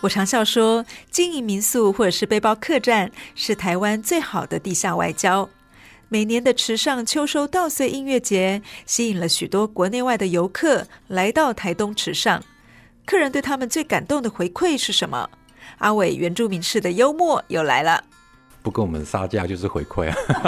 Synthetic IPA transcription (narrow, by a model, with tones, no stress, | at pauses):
wɔ˨˩ʈ͡ʂʰɑ˧˥ŋɕjɑ˥˩ʊʂwɔ˥t͡ɕi˥ŋi˧˥mi˧˥nsu˥˧xwɔ˥˩ʈ͡ʂɤ˨˩ʂɻ̩˥˧pe˥ɪpɑ˥ʊkʰɤ˥˧ʈ͡ʂa˥˩nʂɻ̩˥˩t̪ʰa˧˥ɪwa˥nt͡swe˥˩ɪxɑ˨˩ʊd̪ə˦t̪i˥˧ɕja˥˧wa̰˥˩ɪt͡ɕjɑ˥ʊ | me˨˩ɪnjɛ˧˥nd̪ə˧ʈ͡ʂʰɻ̩˧˥ʂɑ˥˩ŋt͡ɕʰjo˥ʊʂo˥ʊt̪ɑ˥˧ʊswe˥˧ɪʔi˥˧ŋɥɛ˥˩t͡ɕjɛ˧˥ɕi˧˥i˨˩ŋlə˦ɕy˨˩t̪wɔ˥kwɔ˧˥ne˥˧ɪwa˥˩ɪd̪ə˩jo˧˥ʊkʰɤ˥˩la˧˥ɪt̪ɑ˥˩ʊt̪ʰa˧˥ɪt̪ʊ˥ŋʈ͡ʂʰɻ̩˧˥ʂɑ̰˥˩ŋ | kʰɤ˥˩ɻə˧˥nt̪we˥˩ɪt̪ʰa˥mə˨nt͡swe˥˩ɪka˨˩nt̪ʊ˥˩ŋd̪ə˩xwe˧˥ɪkʰwe˥˧ɪʂɻ̩˥˩ʂə˧˥nmə̰˧ | a˥we˨˩ɪɥɛ˧˥nʈ͡ʂu˥˩mi˧˥ŋʂɻ̩˥˩d̪ə˩jo˥ʊmwɔ˥˩jo˥˩ʊla̰˧˥ɪlə̰˧ | pu˧˥kə˥nwɔ˨˩mə̰˦n˦sa̰˥t͡ɕja̰˥˧t͡ɕjo˥˧ʊʂ̩˥˩xwḛ˧˥ɪkʰwe˥˩ɪ